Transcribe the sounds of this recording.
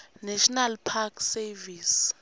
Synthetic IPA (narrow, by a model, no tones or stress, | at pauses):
nɛʃnalpʰakʰsɛvis